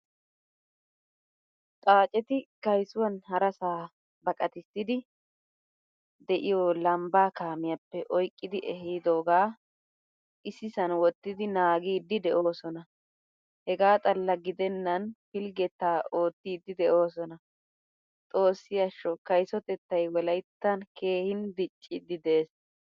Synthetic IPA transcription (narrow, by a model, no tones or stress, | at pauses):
t̪ʼaːt͡ʃʼɛt̪ɪkɐjsʊwɐnhɐɾɐsaː | bɐkʼɐt̪ɪsːɪd̪ɪ | d̪ɛʔɪjɔlɐmbaːkaːmɪjɐpːɛʔɔjkʼːɪd̪ɪʔɛɦiːd̪o̞ːɡaː | ʔɪsɪsɐnwɔt̪ːɪd̪ɪnaːɡiːd̪ːɪd̪ɛʔo̞ːsɔnɐ | hɛɡaːt̪ʼɐlːɐɡɪd̪ɛnːɐnfɪlɡɛt̪ːaːʔo̞ːt̪ːiːd̪ːɪd̪ɛʔo̞ːsɔnɐ | t̪ʼo̞ːsːɪjɐʃːɔkɐjsɔt̪ɛt̪ːɐjwɔlɐjt̪ːɐnke̞ːhɪnd̪ɪt͡ʃʼːɪd̪ːɪd̪eːs